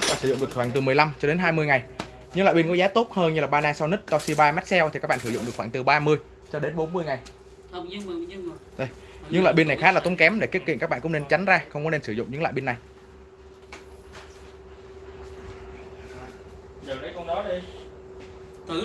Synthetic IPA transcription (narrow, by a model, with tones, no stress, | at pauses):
ɓaː˧˨nsɨ̰˧˩zʊ̰˧˨ŋ͡mɗɨ˨˩k̚xwaː˧˩ŋt̪ɨ˨˩mɨ˨˩əjla˧mt͡ɕɔ˧ɗe˨˦nɦaː˧jmɨ˧əjŋa˨˩j | ɲɨ˧˥ŋla̰ː˧˨ɓi˧nkɔ˨˦zaː˨˦t̪o˦˥t̚həː˧nɲɨ˧laː˨˩ɓaː˧naː˧sa˧wnɨ˦˥k̚t̪ɔ˧si˧ɓaː˧ma˦˥t̚sɛ˧wt̪ʰi˨˩kaː˦˥k̚ɓa̰ː˧˨sɨ˧˩zʊ̰˧˨ŋ͡mɗɨ˨˩k̚xwːŋt̪ɨ˨˩ɓaː˧mɨ˧əj | t͡ɕɔ˧ɗe˨˦nɓo˨˦nmɨ˧əjŋa˨˩j | ɲ˧˨˧ɗo˧j | ɲɨ˧˥ŋlwa̰˧˨jɓi˧nːa˨˩jxaː˦˥la˨˩˨ŋ͡mkɛ˨˦mɗe˧˩ki˦˥ətkḭ˧˨nkaː˦˥kɓa̰ː˧˨kʊ̰˧˥ŋ͡mne˧nt͡ɕa˨˦ŋ̟zaː˧xə˧wŋ͡mkɔ˨˦ne˧nsɨ˧˩zʊ̰˧˨ŋ͡mɲɨ̰˧˥ŋla̰ː˧˨jɓi˧nːa˨˩j | zə˨˩wɗə˨˦kɔ˧nɗɔ˨˦ɗi˧˨